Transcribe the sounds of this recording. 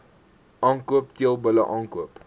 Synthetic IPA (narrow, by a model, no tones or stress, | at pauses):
ʔɑːŋkuəptiəlˠbələʔɑːŋkuəp